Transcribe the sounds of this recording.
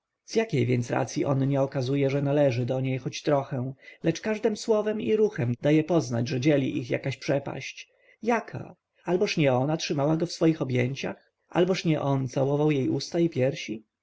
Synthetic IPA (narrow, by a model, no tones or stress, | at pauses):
z̥jakʲejvʲjɛnt̪sɾa̰t̪sʲjiʔɔnɲɛɔkazujɛʐɛnalɛʐɘd̪ɔɲejxɔt͡ɕt̪ɾɔxɛw̃lɛt͡ʂkaʐd̪ɛmswɔvɛmiɾuxɛmd̪ajɛpɔzna̰d͡ʑʐɛd͡ʑɛlʲḭʔixja̰kaɕpʂɛpa̰ɕt͡ɕ | jakʰa̰ | albɔʂɲɛɔnatʂɘmawaɡɔfsfɔjixɔbʲjɛɲt͡ɕa̰x | ʔa̰lbɔʂɲɛʔɔnt̪sawɔvawjejust̪aipʲjɛɾɕi